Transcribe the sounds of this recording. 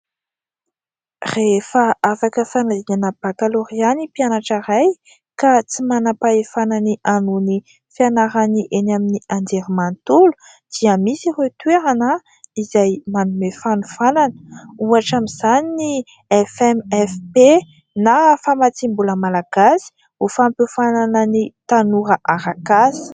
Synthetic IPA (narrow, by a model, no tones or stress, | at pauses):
refəafakəfanaziɲanəb̥akaloɾianipianaʈ͡ʂaɾaj | kat͡simanapaefananiʔanuni | fianaɾaniʔenaminiand̪eɾimant̪ulu̥ | d̪̥iəmisiret̪weɾanə | izajmanumefanufananə̥uaʈ͡ʂamiz̥anini | ɛfɛmɛfpe | nafamat͡simbuləmalaɡ̥asi̥ | ufampofananənit̪anuɾəʔaɾakasi̥